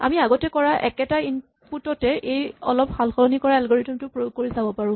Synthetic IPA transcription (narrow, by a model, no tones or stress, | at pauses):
a̰miaɡɔtɛkɔɹaʔɛkɛtain | putɔtɛʔejɔlɔphalxɔlɔnikɔɹaɛlɡɔɹetɔmtʊpɹojoɡ̚kːoɹisabɔpaɹʊ̃